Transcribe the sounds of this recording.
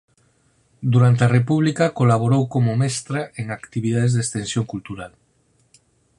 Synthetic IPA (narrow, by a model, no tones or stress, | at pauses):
d̪uɾant̪̬earepuβ̞likakolaβ̞oɾowkomomɛst̪ɾaeŋakt̪iβið̞aðezðest̪ẽnsjoŋkult̪uɾal